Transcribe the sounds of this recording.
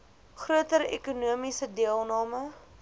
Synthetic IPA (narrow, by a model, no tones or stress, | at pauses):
χruətəɾḛkunuəmisədiəlˠnɑːmə